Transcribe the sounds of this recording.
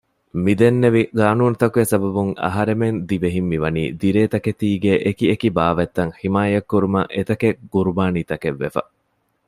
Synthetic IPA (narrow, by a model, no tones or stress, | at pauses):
mid̪enːeʋiɡaːnuːnut̪ɐkuesɐbɐbuŋɐ̰ɦɐɾemend̪iʋeɦimːiʋɐniːd̪iɾeːt̪ɐket̪iːɡeʔekiekibaːʋɐt̪ːɐŋhimaːjɐkːuɾumɐʔet̪ɐkeɡ̥uɾubaːniːt̪ɐkeʋːefɐ̰